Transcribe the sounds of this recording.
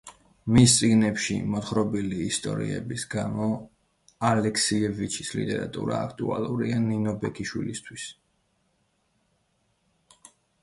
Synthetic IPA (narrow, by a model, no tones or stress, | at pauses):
mist̪sʼiɡnɛpʃḭmɔt̪χɾɔbiliːst̪ʼɔ̰ɾḭɛ̰bisɡamɔ | alɛkʰsiɛvit͡ʃʰislit̪ʼɛɾat̪ʼuɾaːkʰt̪ʼualˠuɾianinɔbɛkʰiʃwilist̪ʰwis